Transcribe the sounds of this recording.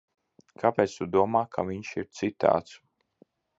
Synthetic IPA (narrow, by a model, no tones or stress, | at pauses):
kʰapʲeːt̪st̪ud̪uɔmaːkʰa̰viɲʃiɾt̪sɨt̪a̰ːt̪s